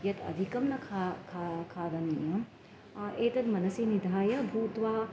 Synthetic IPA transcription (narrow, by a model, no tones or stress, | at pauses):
jɐt̪ɐ̰d̪ʱikɐmnɐkʰakʰakʰaːd̪ɐnijɐ | eːt̪ɐt̪mɐnɐsinid̪ʱaːjɐbʱuːt̪ʋaː